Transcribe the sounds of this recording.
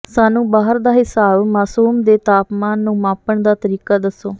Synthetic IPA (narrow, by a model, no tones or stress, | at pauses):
saːnũːbaːɦəɾd̪aːɦɪsaːbmaːsuːmd̪eːt̪aːpmaːnːũːmãːpəɳd̪aːt̪əɾiːkaːd̪əsːoː